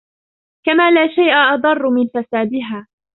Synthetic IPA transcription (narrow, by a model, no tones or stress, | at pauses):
kamaːlaːʃajʔaʔɑd̪ˤɑrˤːʊmɪnfasaːd̪ɪɦaː